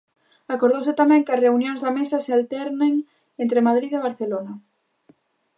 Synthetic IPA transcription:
akoɾð̞owsɪt̪amɛ̃ŋkɐsreunjõŋzðɐmesasealt̪ɛɾneŋ | ent̪ɾemaðɾiðeβ̞aɾθelonɐ

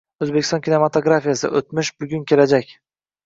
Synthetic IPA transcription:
ɵzbekʲɪst̪ɒnkʲʰine̞mat̪ʰoɡɾafijasɪ̰ʔot̪mɪʃbʊɡʲʊnkʲʰe̞lad͡ʒakʲ

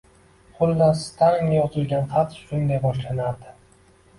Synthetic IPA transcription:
χʊlːast̪ʰaŋajɒzɪlɡʲanχat̪ʃʊnd̪ajbɒʃlanaɾd̪ɪ

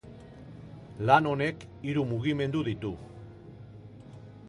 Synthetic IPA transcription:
lano̞ne̞k | iɾumuɣime̞nd̪uðit̪u

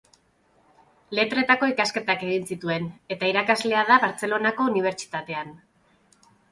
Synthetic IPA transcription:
le̞t̪ɾe̞t̪ako̞ikaske̞t̪ake̞ɣ̞insit̪ue̞ne̞t̪aiɾakazle̞aðaβaɾt͡se̞lo̞nako̞uniβ̞e̞ɾt͡ʃi̥t̪at̪e̞an

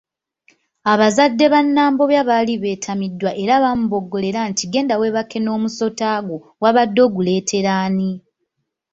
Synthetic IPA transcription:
aβazadːe̞βanːaːmbo̞βjaβaliβe̞ːtʰamidːwaʔe̞ɾaβamuβo̞ɡːo̞le̞ɾantiɡe̞ːndawe̞βake̞no̞ːmuso̞taːɡo | waβadːo̞ːɡule̞ːtʰe̞ɾaːni

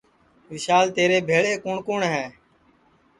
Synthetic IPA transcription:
ʋɪʃaːlt̪eːɾeːbʱeːɭeːkʊːɳkuːɳɦɛː

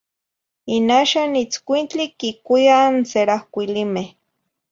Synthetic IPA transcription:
inaʃanit͡skʷint͡ɬikikujanseɾahkʷilime

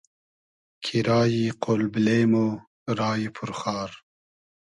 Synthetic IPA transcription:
kʰiɾɑːjiqolblemo | ɾɑːjipʰuɾχɑːɾ

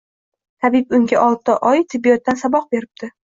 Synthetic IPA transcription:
t̪ʰabɪpʊŋɡʲaʔɒlˠt̪ːaʔɒjt̪ʰɪbːijɒt̪ːansabɒq̚be̞ɾɪb̚d̪̥ɪ

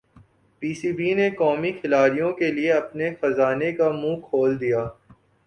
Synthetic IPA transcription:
piːsiːbiːnekɔːmixʰɪlaːɾijõkelieɐpnexɐzaːnekamũːkʰoːld̪ijaː

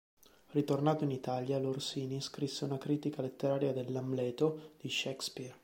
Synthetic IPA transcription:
rit̪ornaːt̪oinit̪aljalorsiːniskɾisːeunakɾiːt̪ikalet̪ːeɾaːɾjad̪elːamlɛːt̪od̪̥iʃɛkspir

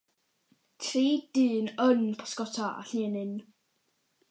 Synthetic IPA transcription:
tʰriːd̥ɨːnənpʰɔ̥skɔtʰaʔa̰ɬneːnɪn

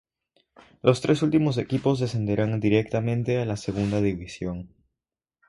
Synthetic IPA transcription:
lo̞st̪ɾʔe̞s̬ult̪imo̞s̬e̞kipo̞zðe̞se̞nd̪e̞ɾand̪iɾe̞k̚t̪amẽ̞nt̪e̞alase̞ɣ̞und̪aðiβisjo̞ŋ

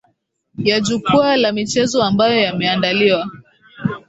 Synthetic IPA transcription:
jad͡ʒukualamit͡ʃɛzɔambajɔjamɛandaliwa

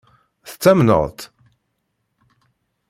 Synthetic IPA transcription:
θə̥t͡sːæmnə̰ðˤt̪

